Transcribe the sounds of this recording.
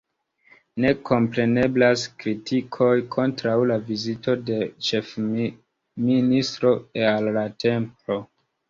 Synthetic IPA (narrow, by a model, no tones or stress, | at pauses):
ne̞kʰo̞mpɾe̞ne̞blaskɾitʰikʰo̞jkʰo̞ntɾawlavizito̞de̞t͡ʃe̞f | ministɾo̞alːate̞mp̚ɾo̞